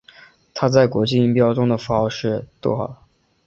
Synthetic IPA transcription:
t̪ʰa˥t͡sa˥˩ɪkwɔ˧˥t͡ɕi˥˧i˥˩ŋpjɑ˥ʊʈ͡ʂʊ˥ŋd̪ə˨fɑ˥ʂɻ̩˥˧t̪wɔ˥˩xɑ̰˨˩

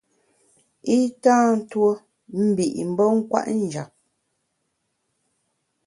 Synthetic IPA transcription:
i˦tãː˦n̩˦two˦ | m̩˦bi˨ʔm̩˨˦bə˦ŋ̩˦kwa̰˦ʔn̩˦˨d͡ʒa˨p̚

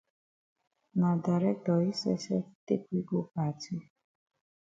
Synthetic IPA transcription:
nã˨da˨ɾɛ˦k̚tɔ˨i˦sɛ˦sɛ˦te˦kʷi˦ɡo˦pa˨ti˦

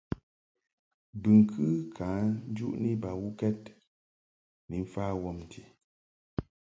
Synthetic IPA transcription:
bɨ˨ŋ̩˨kʰɨ˦kʰaː˨˦n̩˦d͡ʒu˦ʔni˦ba˨wu˦kɛ˦t̚ | ni˨ɱ̩˦faː˦wɔ˦˨mn˨ti˨

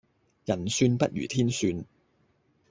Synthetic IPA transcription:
jɐ˨˩nsyː˧npɐ˦˥t̚jy̰ː˨˩t̪ʰiː˥nsyː˧n

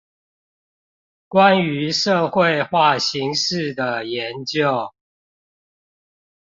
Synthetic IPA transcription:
kwa˦ny˨˦ʂɤ˥˨xwe˥˨ɪxwa˥˨ɕi˨˦ŋʂɻ̩˥˨d̪ə˨˩jɛ˨˦nt͡ɕjo˥˨ʊ

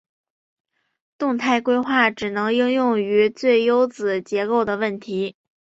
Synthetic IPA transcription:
t̪ʊ˥˧ŋt̪ʰa˥˧ɪkwe˥ɪxwa˥˩ʈ͡ʂɻ̩˨˩nɤ˧˥ŋi˥ŋjʊ˥˩ŋy˧˥t͡swe˥˩ɪjo˥ʊt͡sɹ̩˨˩t͡ɕjɛ˧˥ko˥˩ʊd̪ə˩wə˥˩nt̪ʰi˧˥

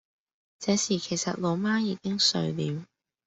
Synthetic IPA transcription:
t͡sɛː˨˥siː˨˩kʰe˨˩jsɐ˨t̚lo˨˧wmaː˥jiː˧kɪ˥ŋsɵ̰˨˧ɥliː˨˥w

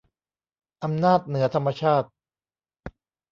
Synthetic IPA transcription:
ʔa˧mnaː˥˩t̪̚nɯ˩˦ɐt̪ʰa˧mːa˧t͡ɕʰaː˥˩t̪̚

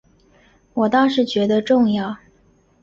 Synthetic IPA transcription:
wɔ˨˩t̪ɑ˥˧ʊʂɻ̩˥˩t͡ɕɥɛ˧˥d̪ə˧ʈ͡ʂʊ˥˧ŋjɑ˥˩ʊ

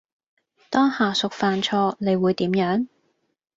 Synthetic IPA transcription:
t̪ɔː˥ŋhaː˨˩sʊ˨k̚faː˨nt͡ʃʰɔː˧ne˨˧jwuː˨˧jt̪iː˨˥mjœː˨˥ŋ

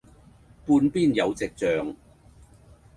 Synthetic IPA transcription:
puː˧npiː˥njɐ˨˧wt͡sɪ˨k̚t͡sœː˨ŋ

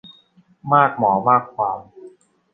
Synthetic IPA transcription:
maː˥˩k̚mɔː˩˦maː˥˩kʰwaː˨˦m

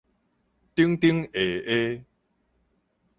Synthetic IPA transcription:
t̪i˦əŋt̪i˦əŋe˨˩e˦

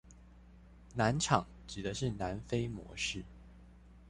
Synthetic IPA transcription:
na˧˦˥nʈ͡ʂʰɑ˨˩˦ŋ | ʈ͡ʂɻ̩˨˩d̪ə˦ʂɻ̩˥˩na˧˥nfe˥ɪmwɔ̰˧˥ʂɻ̩˥˩

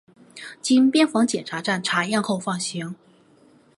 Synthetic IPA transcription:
t͡ɕi˥npjɛ˥nfɑ˧˥ŋt͡ɕjɛ˨˩nʈ͡ʂʰa˧˥ʈ͡ʂa˥˩nʈ͡ʂʰa˧˥jɛ˥˧nxo˥˧ʊfɑ˥˩ŋɕi˧˥ŋ

